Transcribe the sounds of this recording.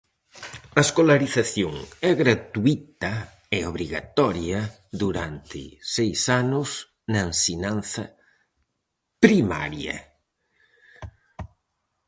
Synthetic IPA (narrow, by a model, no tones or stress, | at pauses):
ɐeskolaɾiθaθjoŋɛɣɾat̪uit̪ɐ | eoβɾiɣa̰t̪ɔɾjɐ | ðuɾa̰nt̪ɪ̰sejsanʊs | nɐensinãnθɐ | pɾima̰ɾjɐ̰